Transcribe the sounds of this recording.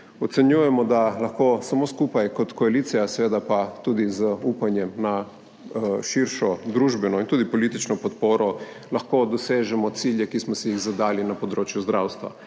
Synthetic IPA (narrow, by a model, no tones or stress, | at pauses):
ɔt̪sɛnjujɛmɔd̪alɐxkosamoːskupajkɔt̪kɔaliːt̪sijasɛʋeːd̪apat̪uːd̪izəupanjɛmna | ʃiɾʃɔd̪ɾuʒbɛnɔint̪uːd̪ipɔlit̪it͡ʃnɔpɔt̪poːɾɔ | lɐxkod̪ɔseːʒɛmɔt̪siljɛkismɔsɛjiɣzad̪aːlinapɔd̪ɾoːt͡ʃjuzd̪ɾawst̪ʋa̰